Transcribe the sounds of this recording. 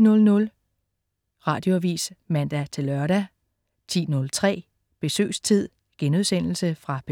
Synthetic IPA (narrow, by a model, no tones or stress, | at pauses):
nɔ̽lnɔ̽l | ʁɑ̈ːd̥jo̝ʋḭːsmæn̰d̥æt͡sʰe̝lɶɐɾæ | t͡sʰḭːnɔ̽lt͡sʰʁɛ̰ː | b̥e̝sø̰ːst͡sʰið̞̰ˠ | ɡ̥enuð̞ˠsen̰l̩səfʁɑ̈b̥e